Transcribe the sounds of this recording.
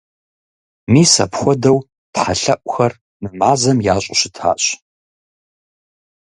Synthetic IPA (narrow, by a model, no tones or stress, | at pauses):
miːsɐ̰pxʷɔdɐw | tħaɬɐʔʷʼʊxɐr | nɨmaːzɐmjaːɕʼʊɕɪtʰa̰ːɕ